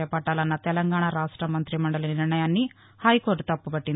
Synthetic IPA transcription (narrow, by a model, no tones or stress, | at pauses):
ɛpɐʈːaːlɐnːɐt̪ɛlɐŋɡaːɳaɾaːʂʈɾɐmɐnt̪ɾimɐɳɖɐlɐniɾɳɐjaːnːi | hɐjkoːɾʈt̪ɐpːupɐʈːin